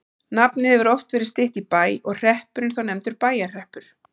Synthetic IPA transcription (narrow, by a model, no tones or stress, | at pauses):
napnɪhɛvʏɾɔft̪vɛːɾɪ̥ɾ̥st̪ɪht̪ipaːjɔɣr̥ɛhpʏɾɪnθawnɛmt̪ʏɾpaːjar̥ɛhpʏɾ̥